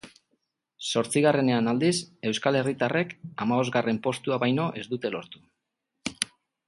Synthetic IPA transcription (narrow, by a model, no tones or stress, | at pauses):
so̞ɾt͡siɣ̞are̞ne̞anald̪ise̞wskale̞rit̪are̞kamaβo̞zɣɡare̞mpo̞st̪uaβajno̞ʔe̞zd̪ut̪e̞lo̞ɾt̪u